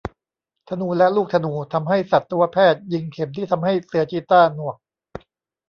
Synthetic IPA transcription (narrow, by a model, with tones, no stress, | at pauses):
t̪ʰa˧nuː˧lɛ˦˥luː˥˩k̚t̪ʰa˧nuː˧t̪ʰa˧mɦa˥˩jsa˨˩t̪ːu˧ɐpʰɛː˥˩t̪̚ji˧ŋkʰe˩˦mt̪ʰiː˥˩t̪ʰa˧mɦa˥˩jsɯ˧ɐt͡ɕiː˧˥t̪aː˥˩nu˨˩ək̚